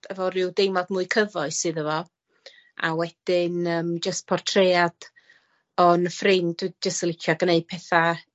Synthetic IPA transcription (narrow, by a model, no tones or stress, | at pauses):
əvɔɾʊwdɪmvɔdmuːɨkʰəvɔɨsɨːðəvɔ | a̰wɛd̥ɪnəːmd͡ʒəst̚pʰɔrtʰread̥ | ɔnəfrɪnd̥d͡ʒəstəlˠɪkʰjɔɡəneɨd̥̚pʰɛθa